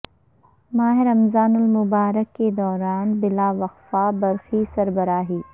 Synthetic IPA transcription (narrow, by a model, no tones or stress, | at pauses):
maːɦɪɾɐmzaːnʊlmʊbaːɾəkːed̪ɔːɾaːnbɪlaːʋɐqfaːbɐɾxisɐɾbəɾaːɦiː